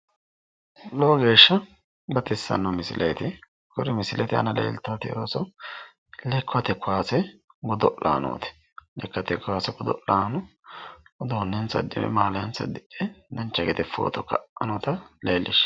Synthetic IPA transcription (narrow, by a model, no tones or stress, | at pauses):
loːɡe̞ːʃːɐ | bɐt̪ɪsːɐ̰nːɐmɪsɪ̰lʔejt̪ɪ | kɔɾɪmɪsɪlɛt̪ɪɐ̰nɐlḛːlt̪ːɐt̪ɪjoːsɔ | lɛkʰːʊɐt̪ɛkːʊwaːsɛ | ɡɔd̪ɔʔa̰ːno̰ːt̪ɛ̥ | lɛkːɐt̪ɛkːʊaːsɛɡɔd̪ɔʔaːnɔ | d̪oːnːɛnsɐ̰d̪ːɪmɛ̰maːlɐjɐnsɐ̰d̪ːɪʔɛd̪ɐnt͡ʃːɐɡɛt̪ɛfo̰ːt̪ɔkɐʔʔɐnɔt̪ɐleːlːɪʃ